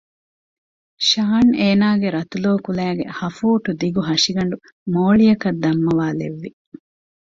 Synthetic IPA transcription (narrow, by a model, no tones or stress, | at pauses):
ʃaːneːnaːɡeɾɐt̪uloːkulæːɡḛhɐfuːʈud̪iɡuɦɐʂiɡɐɳɖu | moːɭijɐkɐd̪ːɐmːɐʋaːlḛʋːi